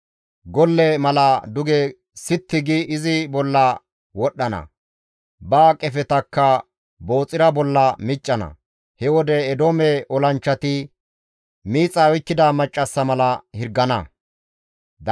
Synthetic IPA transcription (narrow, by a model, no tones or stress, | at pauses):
ɡɔlːɛmɐlɐd̪ʊɡɛ | sɪt̪ːɪɡɪʔɪzɪbɔlːɐ | wɔɗːɐnɐ̰ | bɐːkʼɛfɛt̪ɐkːɐ | bo̞ːt͡sʼːɪɾɐbɔlːɐmɪt͡ʃʼːɐnɐ̰ | hɛwɔd̪ɛːd̪oːmɛʔɔlɐnt͡ʃːɐt̪ɪ | miːt͡sʼːɐɔjkːɪd̪ɐmɐt͡ʃʼːɐsːɐmɐlɐhɪɾɡːɐnɐ̰ | d̪